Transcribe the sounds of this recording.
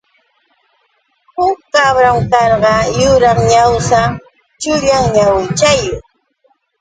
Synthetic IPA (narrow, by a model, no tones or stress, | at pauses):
hʊkːabɾamkɑɾɢɑjʊɾaŋɲawsa | t͡ʃʊʎaŋɲawɪt͡ʃajʊŋ